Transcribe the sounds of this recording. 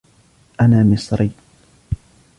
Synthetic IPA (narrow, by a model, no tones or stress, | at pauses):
ʔanaːmɪsˤɾɪː